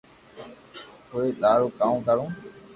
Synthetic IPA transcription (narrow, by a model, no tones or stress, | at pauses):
koːeːɗaːɾoːkãːũːkəɾõː